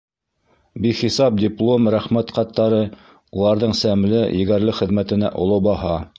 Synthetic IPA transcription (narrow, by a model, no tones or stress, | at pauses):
biχisɑp̚dʲɪplˠomɾæχmæt̪qɑt̪ːɑɾɤ | ulˠɑɾðɤɴsæmlɘjɘ̆ɡæɾlɘχɘ̆ðmæt̪ɘ̆næ̰ʔŏ̰lˠobɑhɑ